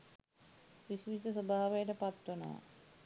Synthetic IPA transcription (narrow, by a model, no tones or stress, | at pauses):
ʋisʋit̪əsobʱaːʋejəʈəpat̪ːwono̰ʋa̰